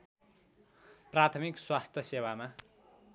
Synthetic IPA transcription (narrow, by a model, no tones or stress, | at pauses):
prat̪ʰʌmikswast̪ʰjʌsewama